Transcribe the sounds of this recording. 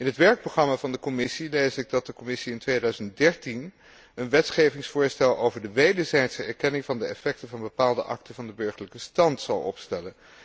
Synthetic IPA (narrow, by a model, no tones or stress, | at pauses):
ɪnɦətʋɛɹk̚proχrɑmaːvɑndəkɔmɪsilejzɪɡ̚dɑt̚dəkɔmɪsiɪntʋeːdœɥzənt̚dɛɹtin | ənʋɛtχejvɪŋsfʊːɹstɛlˠowvəɹdəʋejdəɹzɛjtsəɛɹkɛnɪŋvɑndəɛfɛk̚təvɑnbəpaːlˠdəʔɑ̰ktəvɑndəbøɹχəɹləkəstɑntsɑwˠɔ̰pstɛlən